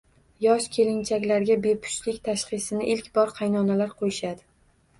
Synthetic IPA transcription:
jɒʃkʲʰe̞lɪnt͡ʃʰakʲlaɾɡʲabe̞pʰʊ̥ʃlɪkʲt̪ʰaʃχɨsɪnɪʔɪlkʲbɒɾqʰɑjnɒnalaɾqʰojɪʃad̪ɪ

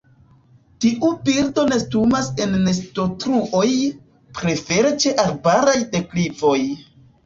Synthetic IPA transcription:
tiʔubiɾdo̞ne̞stumase̞nːe̞sto̞tɾuʔo̞j | pɾe̞fe̞ɾet͡ʃe̞ʔaɾbaɾajde̞klipo̞j

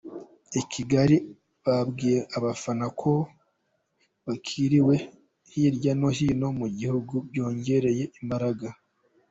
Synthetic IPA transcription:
ecʰiɡaɾi | βabɡiːjeʔaβafanakʰo̞ | βakʰiɾiwe̞ | hiɾɟano̞hino̞muɟihuɡubjo̞ːɲɟe̞ɾe̞je̞imbaɾaɡa

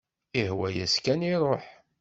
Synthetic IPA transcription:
ihwæjæskæniɾˤoħ

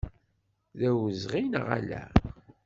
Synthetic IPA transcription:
ðæwəzʁinə̰ʁæ̰læ̰

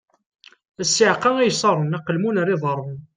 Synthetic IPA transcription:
æsːiʕqɑæjsˤɑɾˤənæqəlmunəɾiðˤɑɾˤən

